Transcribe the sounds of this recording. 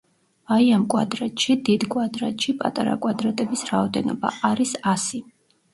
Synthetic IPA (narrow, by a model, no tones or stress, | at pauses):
vaiamkʼwa̰d̪ɾɛt̪ʼʃid̪id̪kʼwad̪ɾɛt̪ʼʃipʼa̰t̪ʼaɾa̰kʼwad̪ɾat̪ʼɛbisɾaɔd̪ɛnɔba̰ʔaɾisasi